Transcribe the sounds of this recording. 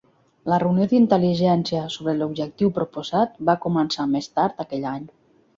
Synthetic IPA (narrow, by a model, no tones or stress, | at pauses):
lərəwnioðint̪əliʒɛnsiəsoβɾəlubʒək̚t̪iwpɾupuzat̪̚bakumənsamest̪aɾt̪akɛʎaɲ